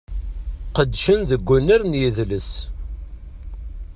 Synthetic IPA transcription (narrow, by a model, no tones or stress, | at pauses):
qəd̪ːʃənðəɡʷːunəɾnjiðləs